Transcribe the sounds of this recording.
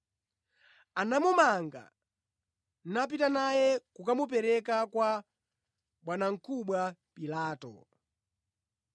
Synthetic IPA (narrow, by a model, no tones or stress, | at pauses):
anamumaŋɡa̰ | n̩nap̬itanajɛkukamup̬ɛɾɛkakwa | ɓwanaŋ̩kuɓwapilaːtɔ̰